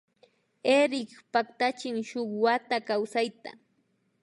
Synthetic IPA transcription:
eɾɪkpakt̪at͡ʃɪŋʃoχwat̪akawsajt̪a̰

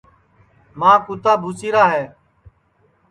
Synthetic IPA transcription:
mãːkʊt̪aːbʱuːsiːɾaːɦɛː

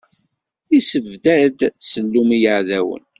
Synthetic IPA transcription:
isəvd̪æd̪səlːumijəʕðæwə̰n

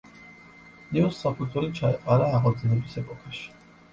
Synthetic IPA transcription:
niusːakʰulʲt̪ʰʼuɾit͡ʃʰaɛqʼaɾaːʁalˠd̪zɛnɛbisɛpʼɔkʰaʃi̥

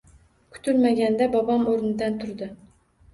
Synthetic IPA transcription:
kʰʊ̥t̪ʰʊlmaɡʲand̪abɒbɑmoɾnɪd̪ant̪ʰʊɾd̪ɪ

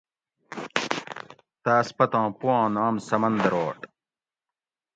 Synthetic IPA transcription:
t̪aːspɐt̪ãːpuwãːnaːmsɐmɐnd̪ɐɾoːʈ

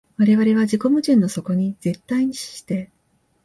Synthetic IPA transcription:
βaɾe̞βaɾe̞βad͡ʑiko̞mɯ̟ʑĩnːo̞so̞ko̞ɲ̟ize̞t̪ːaiɲ̟iɕi̥ɕi̥t̪e̞

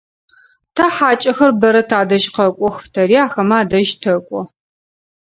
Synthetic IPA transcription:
tʰɐħaːt͡ʃʼɐxɐrbɐɾɐtʰaːdɐʒqɐkʷʼɔxftʰɐriːaːxɐmaːdɐʒtʰɐkʷʼɔ

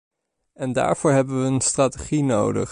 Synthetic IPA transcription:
ɛnda̰ːɹv̥ʊːɹɦɛbəʋəənstraːteχinowdə̰χ

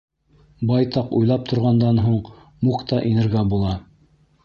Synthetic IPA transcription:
bɑjt̪ɑqṵjlˠɑp̚t̪ʰŏɾʁɑnd̪ɑnɦuɴ | muqt̪ɑʔinɘ̆ɾɡæbulˠɑ

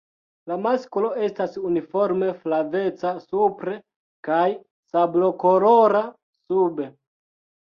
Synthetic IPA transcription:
lamaskolo̞e̞stasunifo̞ɾme̞flave̞t͡sasupɾe̞ | kaj | sablo̞ko̞ɾoɾa | sube̞

